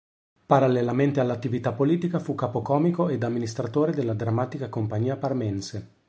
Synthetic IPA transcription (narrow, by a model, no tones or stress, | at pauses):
paɾalːelament̪ealːat̪ːivit̪apːoliːt̪ikafukːaːpokɔːmikoed̪amːinist̪ɾat̪oːɾed̪elːad̪ɾamːaːt̪ikakompaɲːiːaparmɛnse